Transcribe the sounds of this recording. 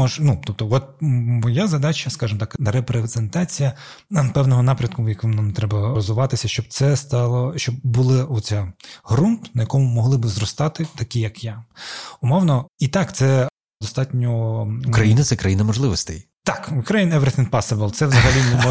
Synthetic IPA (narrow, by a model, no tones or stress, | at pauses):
ɔʒnut̪ɔp̚t̪ɔʋɔt̪̚mɔjazɐd̪ɑt͡ʃɐskɑʒɪmɔt̪ɑkɾepɾez̥ent̪ɑt͡sʲijɐ | pɛwnɔɦɔnɑpɾʲɐd̪kʊjɐkʋɪmnamt̪ɾɛbɐɾɔzʊʋɑt̪ɪsʲɐʃt͡ʃɔb̚t̪sɛst̪ɑlˠɔʃt͡ʃɔb̚ːulˠɪɔt͡sʲaɦɾunpnɐjɐkɔmʊmɔɦlˠɪbɪzrɔst̪ɑt̪ɪt̪ɐkʲijɐkjaʊmɔwnɔit̪ɑkt̪sɛ | d̪ɔst̪ɑtʲnʲɔukɾɐjinɐt̪sɛkɾɐjinɐmɔʒlˠɪʋɔsʲt̪ɛ̰j | t̪ɑkukɾɐjinɛʋeɾt̪ʲinpɑsɐbɛlˠt̪sɛʋzɐɦɐlʲinɛmɔ